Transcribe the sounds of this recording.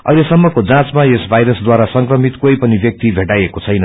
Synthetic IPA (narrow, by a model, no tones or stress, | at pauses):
ʌ̰jlesʌmːʌkod͡zãt͡smaesbʱajɾʌsd̪waɾasʌŋkrʌmit̪kojpʌnibjʌk̚t̪ibʱeʈajekot͡sʰʌjnʌ